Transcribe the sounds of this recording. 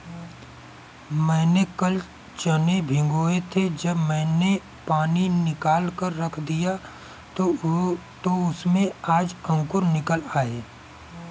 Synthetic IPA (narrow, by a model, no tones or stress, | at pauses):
mɛ̃ːnekəl | t͡ʃənebʱɪ̃ŋɡoːet̪ʰed͡ʒəbmɛ̃ːne | paːninɪkaːlkəɾːɐkʰd̪ija | t̪oʊsmẽaːd͡ʒə̃ŋkʊɾnɪkəlaːeː